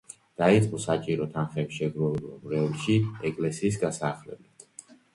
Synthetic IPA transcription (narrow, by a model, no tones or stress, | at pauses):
d̪̥ait̪sʼqʼɔsat͡ʃʼiɾɔt̪ʰanχɛpsʃɛɡɾɛba̰mɾɛulˠʃiɛkʼlɛsiːs̬ɡasaːχlɛblɛd̪̥